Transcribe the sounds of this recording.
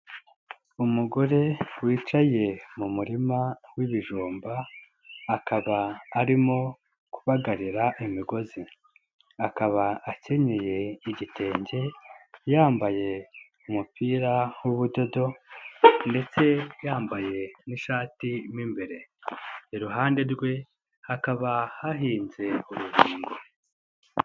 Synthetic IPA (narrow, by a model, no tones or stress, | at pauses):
umuɡo̞ɾe̞wiːt͡ʃaje̞mumuɾimawiβiʒuːmbaː | kʰaβaːɾimo̞ | ku̥βaɡaɾiɾaʔimiɡo̞zi | akaβaace̞ɲeje̞iɟite̞ːɲɟe̞jaːmbaje̞ | umupʰiːɾawuβudo̞do̞ | nde̞t͡se̞jaːmbaje̞niʃaːtimiːmbeɾe̞ | iɾuɦaːnde̞ɾɡwe̞ | hakaβahaɦiːnze̞uɾuɡiːŋɡo